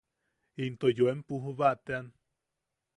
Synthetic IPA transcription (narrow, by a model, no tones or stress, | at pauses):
int̪ojoempuɦuβaʔt̪ean